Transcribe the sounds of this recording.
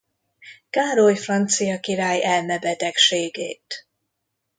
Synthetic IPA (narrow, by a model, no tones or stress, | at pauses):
kaːɾojfrɒnt̪sijɒkiɾaːjɛlmɛbɛt̪ɛkʃeːɡḛːt̪